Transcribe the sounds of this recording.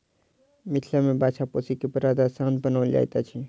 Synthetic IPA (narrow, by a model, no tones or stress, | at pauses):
mit̪ʰlamebat͡ʃʰaposikepəɾad̪asãnd̪bənawld͡ʒa̰jt̪at͡ʃʰi